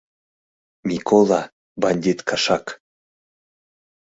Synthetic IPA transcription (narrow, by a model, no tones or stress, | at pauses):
mʲikolˠa | banʲd̪ʲit̪kʰaʃɑk